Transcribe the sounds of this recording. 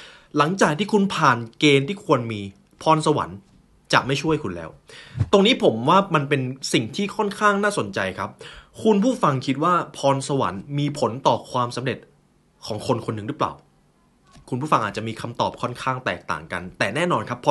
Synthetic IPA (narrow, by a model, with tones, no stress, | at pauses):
la˩˦ŋt͡ɕaː˨˩k̪̚ʰiː˥˩kʰu˧npʰaː˨˩nkeː˧nt̪ʰiː˥˩kʰu˧ənmiː˧ | pʰɔː˧nsa˧wa̰˩˦n | t͡ɕa̰˨˩ma˥˩jt͡ɕʰu˥˩əjkʰu˧nlɛ̰ː˦˥wt̪o˧ŋniː˦˥pʰo˩˦mwaː˥˩ma˧npe˧nsi˨˩ŋt̪ʰiː˥˩kʰɔ˥˩nkʰaː˥˩ŋnaː˥˩so˨˩˦nt͡ɕa˧jkʰa˦˥p̚kʰu˧npʰuː˥˩fa˧ŋkʰi˦˥t̪̚waː˥˩pʰɔː˧nsa˧wa̰˩˦nmiː˧pʰo˩˦nt̪ɔː˨˩kʰwaː˧msa˩˦mɾe˨˩t̪̚ | kʰɔː˩˦ŋkʰo˧nkʰo˧nːɯ˨ŋɾɯ˦˥pla̰ː˨˩w | kʰu˧npʰuː˥˩fa˧ŋʔaː˨˩t̪̚t͡ɕa˨˩miː˧kʰa˧mt̪ɔː˨˩p̚kʰɔ˥˩nkʰaː˥˩ŋt̪ɛ̰ː˨˩k̚t̪a̰ː˨˩ŋka̰˧nt̪ɛː˨˩nɛː˥˩nɔː˧nkʰa˦˥pʰː